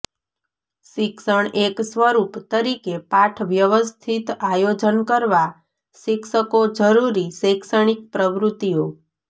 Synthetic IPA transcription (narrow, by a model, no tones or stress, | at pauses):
ʃɪksəɳeksʋəɾupt̪əɾikepaʈʰʋjəʋəst̪ʰit̪ajod͡ʒənkəɾʋa | ʃɪkʃəkod͡ʒəɾuɾisekʃəɳ̃ik̚pɾəʋɾut̪ːijo